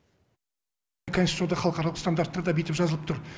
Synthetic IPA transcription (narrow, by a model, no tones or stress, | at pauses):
kʰosi̥t̪ud̪ɑχʰɑlˠəqɑɾɑlˠəqst̪and̪aɾt̪ːɑɾd̪ɑbet̪ɪpʒɑzəlˠəpt̪ʰʊɾ